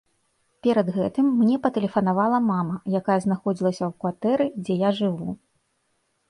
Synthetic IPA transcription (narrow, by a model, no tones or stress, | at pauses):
pʲɛɾɐd̪ɣɛt̪ɨmːnʲɛpɐt̪ɛlʲɛfɐn̪avalˠɐmamɐjakajɐznaxɔd͡zʲilˠɐsʲɐwkvat̪ɛɾɨd͡zʲɛjaʐɨvu